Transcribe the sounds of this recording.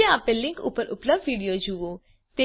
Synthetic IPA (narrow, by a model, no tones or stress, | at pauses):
eapelɪ̃ŋkʊ̰pːəɾʔʊpləbɖʋiːɖijoːd͡ʒuoː | t̪e